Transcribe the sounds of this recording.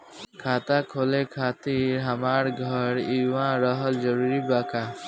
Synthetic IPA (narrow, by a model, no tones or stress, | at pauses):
kʰat̪akʰolekʰat̪iɾɦamaɾɡʱʌɾiwãɾəɦəld͡ʒɔɾuɾibaka